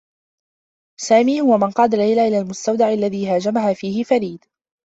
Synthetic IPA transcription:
saːmiːhʊwamɪnqɑːd̪alːajlaʔɪlaːlmʊst̪awd̪aʕʔalːaðiːɦaːd͡ʒamaɦaːfiːhɪfaɾiːd̪

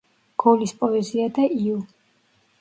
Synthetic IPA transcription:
ɡ̥ɔlispʼɔɛziad̪aiu

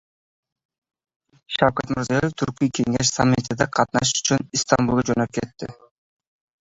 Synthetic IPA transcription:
ʃɑwkɑt̪mʊɾzijeft̪ʰyɾkyjke̞ŋeʃ̬samʲːit̪ɪd̪eqʰɑt̪nɑʃy̥t͡ʃynist̪ɑmbulˠd͡ʒønøp̚ket̪ːɪ̰

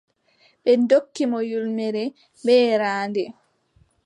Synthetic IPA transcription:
ɓɛndokːimɔjulmɛɾɛ | bɛːɾaːndɛ

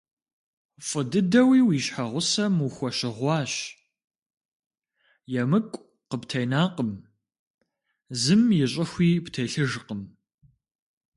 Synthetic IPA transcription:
fʼɨdɨdɐwiːwiːɕħaʁʷʊsɐmuxʷɔɕɪʁʷɑːɕ | jɛmɨkʷʼ | qəptʰɐjnaːqəm | zɨmjɪɕʼɪxʷiːptʰejɬɨʒqəm

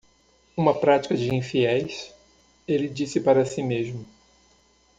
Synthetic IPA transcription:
ũmɐpɾat͡ʃi̥kɐd͡ʒɪĩfiɛjs | elɪd͡ʒisɪpaɾɐsimezmʊ

